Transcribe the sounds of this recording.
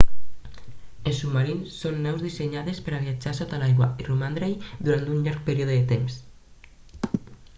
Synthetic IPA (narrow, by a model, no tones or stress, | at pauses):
elsumːaɾinsːonːɛwzðiseɲaðespəɾaβiad͡ʒasɔt̪alajɣwairumand̪ɾejðuɾant̪unʎaɾk̚peɾioðeðet̪ems